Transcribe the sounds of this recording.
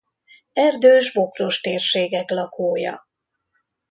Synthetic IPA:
ɛrd̪øːʒbo̞kro̞ʃt̪eːrʃeːɡɛklɒkʰoːjɒ̰

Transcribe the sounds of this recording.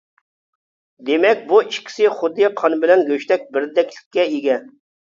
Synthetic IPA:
d̪emɛkʲbuiʃkʲʰi̥sɪχʊd̪ːɨqʰɑnbɪlɛnɡʲøʃt̪ɛk̚ʲbɪɾd̪ɛkʲlɪ̥kʲːɛiɡʲɛ

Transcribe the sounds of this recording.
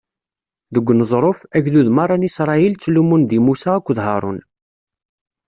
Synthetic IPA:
ðəɡʷːnəzˤɾˤofæʝðuðmɑrˤːɑnisɾˤɑilt͡sːlumund̪imusaækʷːðɦɑɾˤʊ̰n

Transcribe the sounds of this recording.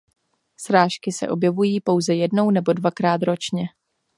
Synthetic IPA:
sɾaːʃkɪsɛ̰ʔo̞bjɛvujiːpo̞wzɛjɛdno̞wnɛbo̞dvakɾaːt̪ɾo̞t͡ʃɲɛ

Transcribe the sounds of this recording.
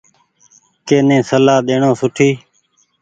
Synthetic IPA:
keːnẽːsəlaːɗ̪eːɳõːsʊʈʰiː

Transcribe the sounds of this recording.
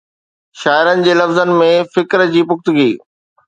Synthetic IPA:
ʃaːɪɾənɪ̆d͡ʑeːlɐfzən̆mẽfɪkɾd͡ʑiːpʊkt̪ʊɡiː

